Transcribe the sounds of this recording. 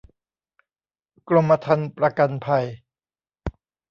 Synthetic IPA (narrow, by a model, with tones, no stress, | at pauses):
klo˧mːa˧t̪ʰa˧npɾa˧ka˧npʰa˧j